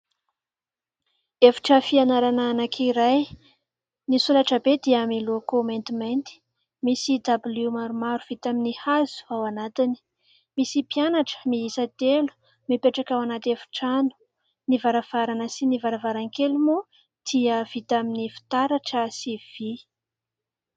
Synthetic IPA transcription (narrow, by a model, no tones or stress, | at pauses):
efi̥ʈ͡ʂəfianaɾananakʰiɾaj | nisulaʈ͡ʂəbed̪iaamilokoment̪iment̪i̥ | misid̪abulimaɾumaɾuv̥it̪aminihazu̥awanat̪ini̥ | misipianaʈ͡ʂə̥miisat̪elu̥ | mipeʈ͡ʂakawanat̪efi̥ʈ͡ʂanu̥ | nivaɾav̥aɾanəsinivaɾavaɾaŋkelumu | d̪̥iəv̥it̪aminifi̥t̪aɾaʈ͡ʂəsiv̥i